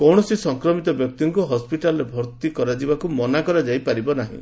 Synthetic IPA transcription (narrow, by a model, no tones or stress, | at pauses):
kɔwɳ̃ɔsisɔŋkɾɔmit̪ɔbjɔk̚t̪iŋkuɦɔspiʈalɔɾebʱɔɾt̪ikɔɾad͡ʒibakumɔnakɔɾad͡ʒajpaɾibɔnaɦḭ̃